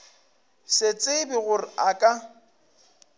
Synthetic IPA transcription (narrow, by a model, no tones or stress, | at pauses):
sɪt͡sʼɪbɪɣʊrɪakʼa